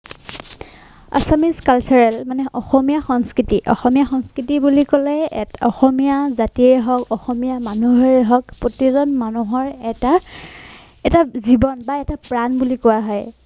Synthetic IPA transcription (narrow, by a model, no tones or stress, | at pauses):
a̰samiskalt͡ʃɔɹɛlmanɛʔɔxɔmijaxɔŋskɹitiʔɔ̰xɔmijaxɔŋskɹitibulikɔlɛɔxɔmijazatiɛɛɦɔkɔxɔmijamanuɦɔɹɛɦɔkpɹotizɔnmanuɦɔɹɛta | ɛtazibɔnbaɛtapɹanbulikowaɦɔj